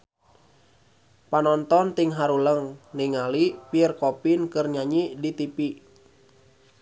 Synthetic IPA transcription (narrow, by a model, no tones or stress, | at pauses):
panɔnt̪ɔnt̪iŋɦaɾuləŋniŋalipiərkɔpinkɨrɲaɲidit̪ipi